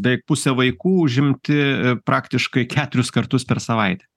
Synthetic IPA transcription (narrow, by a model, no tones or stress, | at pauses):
bʲɛɪpʊsʲɛʋɐɪkuːʊʒʲɪmʲt̪ʲɪpɾʔɑːkt̪ʲɪʃkɐɪkʲæːt̪ʊɾʲʊskɐrt̪ʊspʲɛɾsɐʋɐɪt̪ʲɛ̥